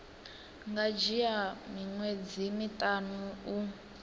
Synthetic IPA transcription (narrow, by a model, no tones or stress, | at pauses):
ŋɡad͡ʒijamiŋwed͡zimitanuː